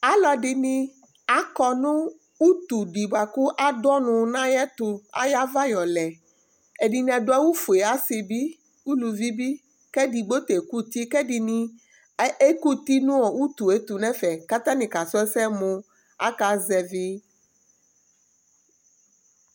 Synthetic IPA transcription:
a˨lɔ˦ɖi˨nĩ˦ | a˨kɔ˦nũ˦ | u˦t̪u˨ɖi˨ba˨ku˦ʔa˦dɔ˦nũ˨nã˦jɛ˦t̪u˨a̰˦ja˦va˦jɔ˨lɛ˨ | e˨ɖi˨nĩ˦a˨ɖo˨˦a˦wu˦fu˨e˨a˦si˨bi˦ | wu˦lu˨vi˦bi˦ | kɛ˦ɖi˨ɡ͡bo˦t̪e˨ku˦t̪i˦kɛ˦ɖi˨nĩ˦ | e˦ku˦t̪i˦nũ˦ɔ˨wu˦t̪u˨e˦t̪u˨nɛ̃˦fɛ˨ka˦t̪ã˦nĩ˨ka˨sɔ˦ɛ˦sɛ˦mõ˨ | a̰˦ka˨˦zɛ˨vi˦

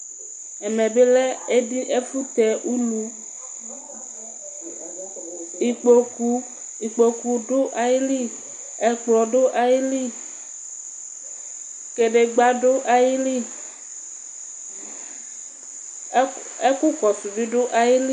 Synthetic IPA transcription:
ɛ˨me˨be˦lɛ˦e˦ɖi˦ʔe˦fu˦t̪ɛ˨ʔu˦lu˦ | i˨k͡po˨ku˦ | i˨k͡po˨ku˨ɖo˦ʔa˨ji˦li˦˨ | ɛ˨k͡plɔ˨ɖo˦ʔa˨ji˦li˦ | ke˨ɖe˨ɡ͡ba˦ɖo˦ʔa˨ji˦li˦˨ | e˦ku˦kɔ˨su˨vi˦ɖo˦ʔa˨ji˦li˦

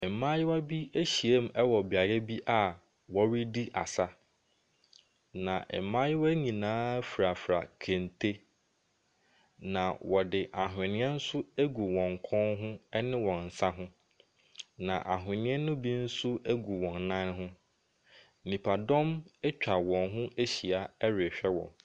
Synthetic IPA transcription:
ɛ˨mã˦jɪ˦wa˦bi˦æ˦ɕi˨e˦m˨ɛ˦wɔ˨bi˨a˨ɾɛ˦bi˦ʔa˨ | wɔ˨˦ɾi˦di˦ʔa̰˨sa˦ | nã˨ʔmã˦jɪ˦wa˦ɲĩ˨nãː˦fɾa˨fɾa̰˨kʰẽ˨ntʰe˦ | nã˨wɔ˨dɪ˨ʔa˨ɦɪ̃˨nɪ̃˦ɛ̃˦n̩˦sʊ˦æ˦ɡu˨wɔ̃˨ŋ˨kʰɔ̃˦nɦʊ̃˦ɛ˦nɪ̃˦wɔ̃˨n̩˨sa˦ɦʊ̃˦ | nã˨ʔa˨ɦʊ˨ɪ̃˨nɪ̃˦ɛ˦nʊ̃˦bi˦n̩˦sʊ˦æ˦ɡu˨wɔ̃˨nːã˦nɦʊ̃˦˨ | mĩ˨pʰa˨dɔ̃˦mɛ˦t͡ɕᶣa˨wɔ̃˨nɦʊ̃˦ʔe˦ɕi˨a˨ɛ˦ɾe˨ɕᶣɛ˦wɔ̰̃˨m

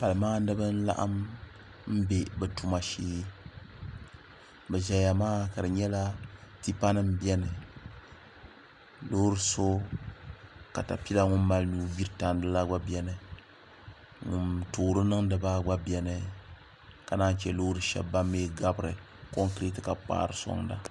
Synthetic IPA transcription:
pa˨lɨ˨maː˦nɨ˦bɨ˦n̩˦la̰˦ʔa̰˦m | m̩˦be˨bɛ˨tu˦ma˨ʃiː˦ | bɛ˨ʒɛ˨ja˨maː˦ka˨dɨ˨ɲɛ˦la˦ti˦pa˦nɨ˦m˦bɛ˦nɨ˨ | lo˦hɾɨ˦so˦ | ka˨ta˨pi˦la˦ŋʊ˦mː˦a˦lnuː˦bi˦ɾɨ˦ta˨n˦dɨ˦la˦ɡ͡ba˦bɛ˦nɨ˦˨ | ŋʊ˨mtoː˨ɾɨ˦nɨ˦ŋ˦dɨ˨ba˦ɡ͡ba˦bjɛ˦nɨ˨ | ka˨na˦n˦t͡ʃɛ˦lo˦ɾɨ˨ʃɛ̰˨bːa˦mːeː˦ɡa˦bɨ˨ɾɨ˨ | ko˦ŋkɾe˦tɨ˨ka˨k͡pa̰ː˦ɾɨ˨so̰˦ŋda˦

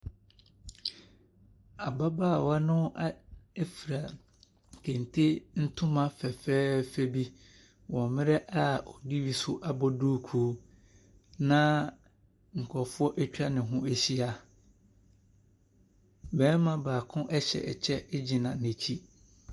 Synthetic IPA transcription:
a˨ba˦baː˦˨wa˦nʊ̃˦ʔa˦ɛ˦fi˨ɾa˨ | kʰẽ˨n˨tʰi˦n̩˦tʰʊ̃˦mã˦fɛ˨fɛː˦fɛ˦bi˦ | wɔ̃˨mɪ̃˦ɾɛ˦ʔa˦ɔ˨di˦wi˦sʊ˦ʔa˦bɔ˦du˦kʰuː˦ | nã˦ | ŋ̩˨kʰɔ˨fʊ˦ɔ˦ʔɛ˦t͡ɕᶣa˦nɪ̃˨ɦʊ̃˦e˨ɕi˦a˦ | bɛ˨˦mã˨baː˨kʰʊ̃˦ʔɛ˦ɕɛ̰˨ɛ˨t͡ɕʰɛ˦d͡ʑi˨nã̰˨nɪ̃˨t͡ɕʰi˦

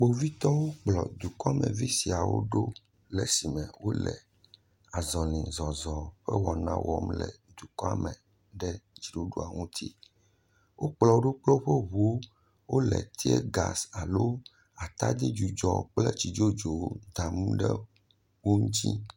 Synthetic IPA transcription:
k͡po˨vi˦t̪ɔ˦wo˦k͡plɔ˨d̪u˨kɔ˦a˦˨mɛ̃˨vi˦si˨a˨wo̰˦ɖo˦ | lɛ˨si˨mɛ̃˨wo˦lɛ˨ | a˨zɔ˨lĩ˨zɔ˨zɔ˨ɸɛ˦wɔ˨nã̰˦wɔ˨˦mlɛ̰˨d̪u˨kɔ˦a˦mɛ˨ | ɖɛ˦d͡ʒi˨ɖo˦ɖu˦a˨ŋũ˦t̪ʰi˦ | wo˦k͡plɔ˨o˦ɖo˦k͡plɛ˦wo˦ɸɛ˦βu˨o˦ | wo˦lɛ̰˨t̪i˦ḛ˦ɡa̰˨sa˨lo˦ | a˨t̪a˦d̪i˦d͡ʒu˨d͡ʒɔ˨k͡plɛ˦t͡ɕi˨d͡ʒo˦d͡ʒo˨wo˦d̪a˨mũ˦ɖɛ̰˦ | wo˦ŋ̩˦t͡ɕḭ˦

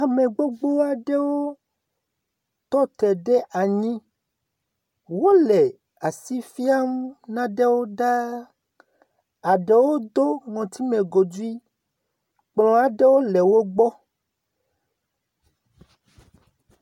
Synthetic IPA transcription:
a˨mẽ˨ɡ͡bo˦ɡ͡bo˦a˨ɖe˦wo˦ | t̪ɔ˦t̪ɛ˨ɖe˦ʔa˨ɲĩ˦ | wo˦lɛ˨ | a˨si˦fi˦a˦m˦nã˦ɖe˦wo˦ɖa˦ | a˨ɖe˨wo˦d̪o˦ŋɔ̃˨t̪i˦mẽ˨ɡo˨d͡ʒu˦i˦ | k͡plɔ̃˨a˨ɖe˦wo˦le˨wo˦ɡ͡bɔ˦

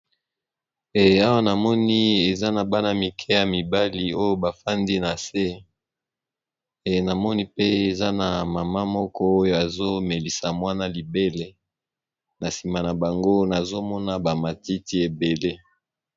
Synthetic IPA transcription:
e˨a˦wa˦na˨mɔ˦ni˦e˨za˦na˨ba˦na˨mi˨kʰɛ˦ja˨mi˨ba˦li˨o˦jo˦ba˨fa˦ndi˦na˨se˦ | e˨na˨mɔ˦ni˦pe˦e˨za˦na˨mama˦mɔ˦kɔ˦o˦jo˦a˨zo˦me˨li˨sa˨mwa˦na˦li˨be˦le˦ | na˨si˨ma˨na˨ba˨ŋɡo˦na˨zo˦mɔ˦na˦ba˨ma˨ti˦ti˦e˨be˨le˦

